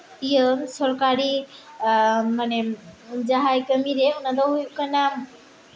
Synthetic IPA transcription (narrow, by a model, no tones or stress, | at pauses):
ijəsɔɾkaɾi | manɛd͡ʒaɦajkəmiɾeʊnad̪ɔɦujukana